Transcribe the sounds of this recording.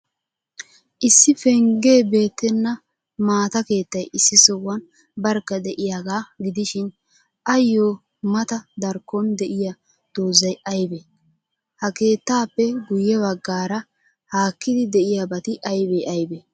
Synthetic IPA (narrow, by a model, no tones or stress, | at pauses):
ʔɪsːɪfɛŋɡe̞ːbe̞ːt̪ːɛnːɐ | maːt̪ɐke̞ːt̪ːɐjɪsːɪsɔwːɐn | bɐɾkːɐd̪ɛʔɪjaːɡaːɡɪd̪ɪʃɪn | ʔɐjːoː | mɐt̪ɐd̪ɐɾkːɔnd̪ɛʔɪja | d̪̥oːzɐjʔɐjbe | hɐke̞ːt̪ːaːpːɛɡʊjːɛβɐɡːaːɾɐ | haːkːɪd̪ɪd̪ɛʔɪjabɐt̪ɪʔɐjbɛɐjbɛ